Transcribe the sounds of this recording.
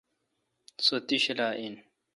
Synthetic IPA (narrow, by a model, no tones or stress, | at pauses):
sot̪iɕilaːʔin